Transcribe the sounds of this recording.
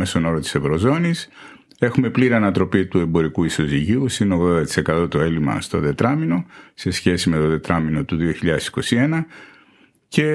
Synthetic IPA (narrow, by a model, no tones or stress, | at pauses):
mest̪ono̞ɾot̪i̥se̞vɾo̞zo̞nis | e̞xume̞pliɾiɐnɐt̪ɾo̞pit̪ue̞mbo̞ɾikuiso̞ziʝiusinoɣðod̪ɐt̪i̥se̞kɐt̪o̞t̪o̞e̞limɐ̰st̪o̞ðe̞t̪ɾɐmino̞se̞sçe̞sime̞t̪o̞ðe̞t̪ɾɐmino̞t̪uðio̞çiʎɐðe̞si̥ko̞sie̞nɐ | ce̞